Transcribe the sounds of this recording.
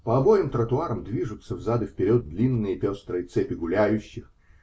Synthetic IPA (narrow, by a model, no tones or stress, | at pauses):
pəɐbo̞jɪmt̪ɾət̪ʊaɾəmd̪vʲiʐʊt̪səvzad̪ɨfpʲɪɾʲo̞d̪̚d̪lʲinːɨjəpʲost̪ɾəjət̪sɛpʲɪɡʊlʲæjʉɕːɪx